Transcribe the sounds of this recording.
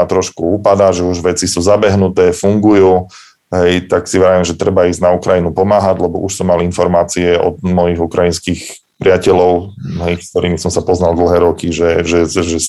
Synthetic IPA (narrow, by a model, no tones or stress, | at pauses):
at̪ɾɔʃkuuːpad̪aːʒɛuʒʋɛt͡sisuːzabɛɦnut̪ɛːfuŋɡujuː | ɦɛjt̪aksiʋɛɾaʋimʒɛt̪ɾɛbaiznaukɾajinupɔmaːɦaɟlɛbɔʔuʃsɔmːalinfɔɾmaːt͡siɛɔ̰d̪mɔjiɣukɾajinskiːx | pɾɪacɛʎɔʊɦɛjkkt̪ɔɾiːmisɔmsapɔznalˠd̪l̩ˠɦɛːɾɔkiʒɛʒɛʒɛ